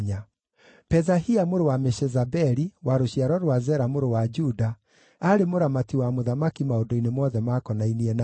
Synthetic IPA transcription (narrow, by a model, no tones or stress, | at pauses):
ɲa | pɛzahiamoɾowamɛʃɛzabɛɾiwaɾoɕjaɾɔɾwazɛɾamoɾowad͡ʒuda | aɾemoɾamatiwamoðamakimaondoinemɔðɛmakɔnainiɛna